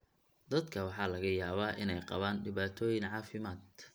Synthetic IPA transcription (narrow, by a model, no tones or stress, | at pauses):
d̪ɐd̪kʰɐwɑħɑːlɐɣɐjaːβaːʔɪnɛjqɑ̰βaːnɖɪβaːt̪ʰɔːjɪŋʕɑːfɪmaːd̪